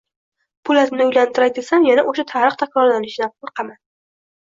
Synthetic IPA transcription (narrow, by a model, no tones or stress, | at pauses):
pʰʊlat̪nɪʊjlant̪ʰɪɾajd̪esanjanaʔoʃat̪ʰaɾɨχt̪ʰakʰɒɾad̪anɪʃnap̚qʰʊlˠqɑman